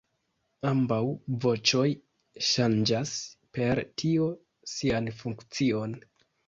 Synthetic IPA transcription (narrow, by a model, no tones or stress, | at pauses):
ambawvo̞t͡ʃo̞j | ʃand͡ʒaspe̞ɾtʰio̞ | sianfuŋkt͡sio̞n